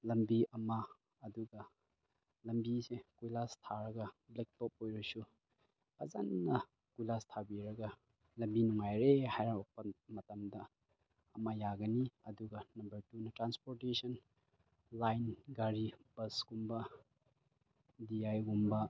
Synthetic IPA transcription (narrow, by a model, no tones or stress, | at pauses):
lɐmbiɐmɐː | duɡɐ | lɐmbisekujlastʰaɾɐɡɐblek̚top̚ojɾɐsu | ɐ̰zannɐ | kujlastʰabiɾɐɡɐ | lɐmbinuŋajɾehajɾabɐk̚pɐmɐtɐmdɐ | ɐmɐjaɡɐniɐduɡɐnɐmbɐɾtunɐtɾanspoɾtesɐn | lajnɡaɾib̥ɐsɡumbɐ | diajɡumbɐ